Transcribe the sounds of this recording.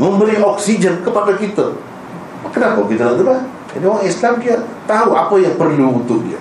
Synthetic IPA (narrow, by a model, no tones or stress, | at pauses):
məmbəɾiɔksid͡ʒɛnkəpadakit̪a̰ | kənapakit̪atat̪ula | d͡ʒa̰dioɾaŋislamdiat̪aɦua̰pajaŋpərluːt̪ʊk̚dia̰